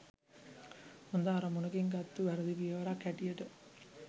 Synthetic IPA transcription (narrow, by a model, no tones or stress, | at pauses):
hund̪aːɾɐmunɐɡeŋɡɐt̪ːuʋæɾɐd̪iʋijɐʋɐɾaːkɛʈijeʈə